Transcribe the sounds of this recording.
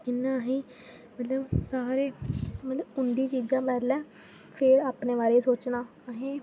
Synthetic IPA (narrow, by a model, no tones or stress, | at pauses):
kɪnːãːɦẽː | mət̪ləbsaːɾeːmət̪ləbʊnd̪iːt͡ʃiːd͡ʒãːpɛːd̪lɛː | pʰɪɾaːpneːʋaːɾeːsoːt͡ʃnãː | ɦẽː